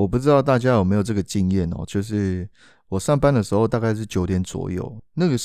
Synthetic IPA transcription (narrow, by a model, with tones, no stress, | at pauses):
wɔ˨˩p̬u˥˩ʈ͡ʂɻ̩˥t̪ɑ˥˧ʊt̪a˥˩t͡ɕja˦˥jo˨˩me˧˥ɪjʈ͡ʂɤ˥˩ɡə˩t͡ɕi˥˧ŋjɛ˥˨nɔ̰˨t͡ɕjo˥˧ʊʂ̬ɻ̩˥˩ | wɔ˨˩ʂɑ˥˩ŋpa˥nd̪ə˨ʂɻ̩˧˥xo˧ʊt̪a˥˧ka˥ɪʂ̬ɻ̩˥˩t͡ɕjo˨˥ʊt̪jɛ˧˦nt͡swɔ̰˨˩jo̰˥˩ʊna˥˨˩ɡə˩